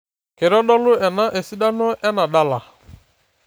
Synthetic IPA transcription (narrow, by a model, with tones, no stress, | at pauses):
kɪ˨ɾɔ˦ɗɔ˦lʊ˦ʔɛ˨na˦ʔe˨si˦da˦nɔ˦ʔɛ˦na˨ɗa˦la˨